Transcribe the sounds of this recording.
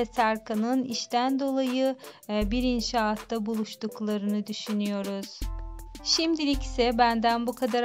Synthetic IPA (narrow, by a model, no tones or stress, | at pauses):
ɛsæɾkʰanɯniʃt̪ʰænd̪o̞lˠajɯbiɾinʃaːt̪ʰːabulˠuʃt̪uklˠaɾɯnɯd̪yʃynyjo̞ɾuz̥ | ʃimd̪ilʲicsɛbænd̪ænbukʰad̪aɾ